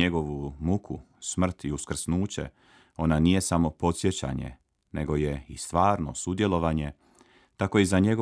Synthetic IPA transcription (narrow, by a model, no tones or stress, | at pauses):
eɡo̞ʋumukʰu | smr̩t̪iuskr̩snuːt͡ɕe̞̰ | o̞nanije̞samo̞po̞t̪sje̞t͡ɕa̰ɲe̞̰ | ne̞̰ɡo̞je̞ist̪ʋaːɾno̞̰sud̪je̞loʋaɲe̞ | t̪ako̞izaɲe̞ɡo